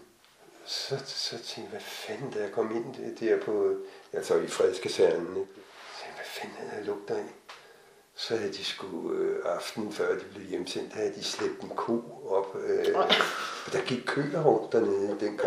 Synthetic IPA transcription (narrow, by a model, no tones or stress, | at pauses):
sɒ̽sɒ̽t͡sʰeŋɡ̥ʋæfænd̥æjakʰɒ̽me̝n̰ded̥ɛɐ̰pʰɒ̽ælsɒifʁɛðˠskʰæsæɐnne̥t͡sʰeŋ̥ʋæfænd̥æ̥ælɔɡ̥d̥ɐe̝n | sɒ̽hæð̩ˠd̥isɡ̥uɑ̈fd̥nn̩fɶɐ̰d̥ib̥le̝ʊjemsen̰d̥æhæð̩ˠd̥isleb̥d̥enkʰo̝̰ːɒ̽b̥ø | ɒd̥ɑ̈ɡ̥iɡ̥̚kʰø̰ːɐʁɔɡ̥̚d̥ɐned̥enɡ̥ɑ̈